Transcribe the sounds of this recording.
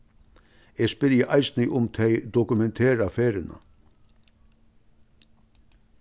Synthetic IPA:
eːspɪɾjəʔɑɪsnɪʔʊmt̪ʰɛɪd̪ɔkʉmɛnt̪ʰeːɾafeːɾɪnə̰

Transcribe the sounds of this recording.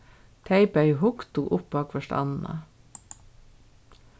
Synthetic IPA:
t̪ʰæɪpəiːhʊkt̪uːʔʊp̚bɑːkfɔʃtɑ̰nn̩ɑ̰

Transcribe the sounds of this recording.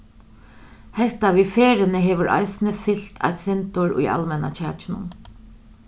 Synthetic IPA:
hɛht̪aʋifeːɾɪnɪɦɛːʋʏɾʔa̰jsɪnəfɪl̥t̪ʰa̰jt̪sɛnt̪ʊɹṵja̰lmɛna̰t͡ʃʰæːt͡ʃɪnʊ̰n

